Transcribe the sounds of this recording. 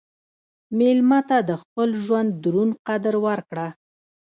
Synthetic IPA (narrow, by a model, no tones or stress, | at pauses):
melmat̪ad̪əxpəlʒwand̪ːɾunqad̪əɾwaɾkɽa